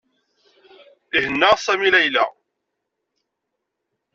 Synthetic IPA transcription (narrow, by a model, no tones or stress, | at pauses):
ihənːaʁsæmilæjlæ̰